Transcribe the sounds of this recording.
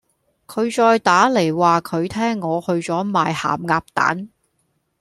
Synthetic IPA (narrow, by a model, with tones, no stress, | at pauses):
kʰɵ˨˧ɥt͡ʃɔː˧jt̪aː˨˥le˨˩jwaː˨kʰɵ˨˧ɥt̪ʰɛː˥ŋːɔː˨˧hɵ˧ɥt͡sɔː˨˥maː˨jha̰ː˨˩mŋaː˧p̚t̪a̰ː˨˥n